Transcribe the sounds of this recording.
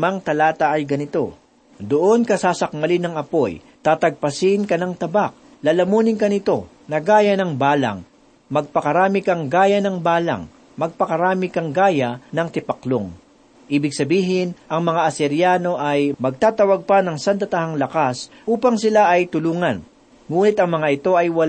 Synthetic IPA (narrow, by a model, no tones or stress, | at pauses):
maŋt̪ɐlaːt̪ɐʔɐjɡɐnɪt̪o̞ | d̪ʊʔo̞nkɐsaːsɐk̚mɐlɪnɐŋɐpoj | t̪aːt̪ɐɡ̚pɐsɪnkɐnɐŋt̪ɐbak̚ | lalɐmuːnɪŋkɐnɪt̪o̞ | nɐɡaːjɐnɐŋbaːlɐ̰ŋ | mɐɡ̚pɐkɐɾaːmɪkɐŋɡaːjɐnɐŋbaːlɐ̰ŋ | mɐɡ̚pɐkɐɾaːmɪkɐŋɡaːjɐnɐŋt̪ɪpɐklo̰ŋ | ʔiːbɪɡ̚sɐbiːɦɪnʔɐŋmɐŋaʔɐsɛɾjaːno̞ʔɐjmɐɡ̚t̪aːt̪ɐwaɡ̚pɐnɐŋsant̪ɐt̪ɐɦaŋlɐkas | ʔuːpɐŋsɪlaʔɐjt̪ʊluːŋɐn | ŋuːnɪt̪ɐŋmɐŋaɪt̪o̞ʔɐjwɐ